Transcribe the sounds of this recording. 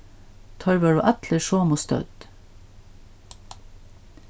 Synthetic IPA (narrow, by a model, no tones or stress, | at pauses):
t̪ʰɑːɾʋɑːɖʉːʔæt̪ʰləʃoːmust̪œ̰d̪̥